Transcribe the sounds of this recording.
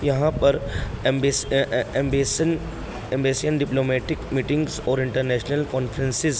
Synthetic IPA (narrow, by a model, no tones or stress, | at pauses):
jɐɦãpɐɾ | ẽmbesn | ẽmbeːsijənɖɪploːmeːʈɪkmiːʈɪ̃ŋɡzɔːɾɪ̃ɳʈəɾnɛːʃnəlkɔ̃ːnfʰəɾẽnsɪz